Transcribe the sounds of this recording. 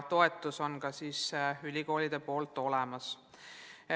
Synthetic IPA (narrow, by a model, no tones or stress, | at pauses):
t̪o̞e̞t̪ːˑuso̞nkɑsiːsylʲiko̞ːlid̪̥e̞po̞ːlt̪ːˑo̞lɛmɑs